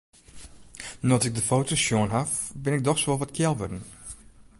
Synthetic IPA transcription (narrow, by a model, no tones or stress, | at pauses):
nɔtɪk̚dəfoːtosjoənɦafbɪnɪk̚dɔxsʋolˠʋɔtkʰjɛlˠʋødn̩